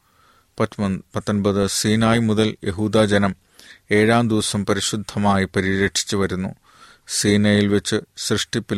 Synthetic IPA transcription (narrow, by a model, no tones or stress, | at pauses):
pɐt̪ːonbɐðɨsiːnaːjmuðɐljʔe̞ɦuːd̪aːd͡ʑɐnɐm | e̞ːɻaːmd̪iʋɐsɐmpɐɾiɕud̪ʱːɐmaːjipɐɾiɾeʈʂʰi̥t͡ɕːɨʋɐɾunːṵ | siːnɐjilʋe̞t͡ɕːɨsrɨʂʈipːi